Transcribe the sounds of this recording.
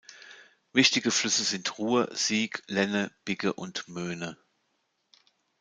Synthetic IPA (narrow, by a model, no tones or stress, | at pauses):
vɪçtɪɡəflʏsəzɪntʁuːɐz̥iːklɛnəb̥ɪɡəʔʊntmøːnə